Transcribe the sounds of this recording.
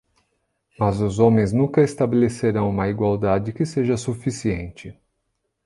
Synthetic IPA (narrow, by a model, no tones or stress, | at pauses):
mɐzʊzõmẽj̃znũkɐest̪abeleseɾɐ̃w̃ũmɐiɡwawd̪ad͡ʒɪkɪseʒɐsufisiḛ̃nt͡ʃɪ